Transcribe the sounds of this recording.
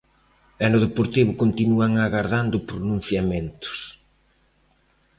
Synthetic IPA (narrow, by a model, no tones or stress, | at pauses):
ɛnʊðepoɾt̪iβʊkont̪inuaŋaɣaɾðand̪ʊpɾonũn̟θjamẽnt̪ʊ̥s